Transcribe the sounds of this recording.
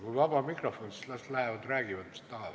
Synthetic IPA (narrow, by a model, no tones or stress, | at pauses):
kulʋɑpɑmikrofːonislæst̪læheʋæt̪ræːɡ̥iʋæt̪ːsi̥t̪ːɑːˑʋ